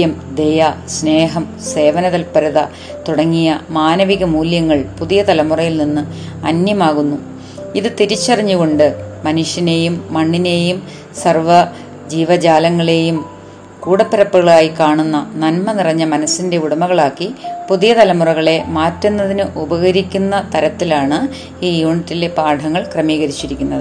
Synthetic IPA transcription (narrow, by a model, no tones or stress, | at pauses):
jɐmd̪ejɐsne̞ːɦɐm | se̞ːʋɐnɐðɐlpɐɾuðɐ | t̪uɽɐŋːijɐmaːnɐʋiɣɐmuːljɐŋːɐɭpuðijɐt̪ɐlɐmurɐjilninːɨɐ̰njɐmaːɣunːu | iðɨt̪iɾit͡ɕːɐrɐɲːuɣo̞ɳɖɨmɐnuʂjɐne̞ːjumːɐɳːine̞jum | sɐrʋɐ | d͡ʑiːʋɐd͡ʑaːlɐŋːɐɭe̞jum | kuːɽɐpːɐɾɐpːuɣɐɭaːjikaːɳunːɐnɐnmɐnirɐɲːɐmɐnɐsːinde̞uɽɐmɐɣɐɭaːkːipuðijɐt̪ɐlɐmurɐɣɐɭe̞maːtːunːɐðinɨʔubɐɣɐɾikʲːunːɐt̪ɐɾɐt̪ːilaːɳɨ | iːjuːɳitːilepaːɖʱɐŋːɐɭkrɐmiːɣɐɾit͡ɕːiɾikʲːunːɐðɨ